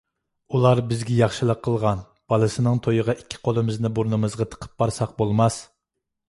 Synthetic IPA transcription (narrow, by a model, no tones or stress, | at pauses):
ulˠɑɾbɪzɡʲɛjɑχʃɨlˠəqʰːəlˠʁɑn | b̥ɑlˠɨsɨnɨŋt̪ʰojəʁɑʔikʲʰːi̥qʰolˠɨmɪznɨbuɾnɨmɨzʁɑt̪ʰə̥qʰə̥p̚bɑɾsɑq̚bolˠmɑs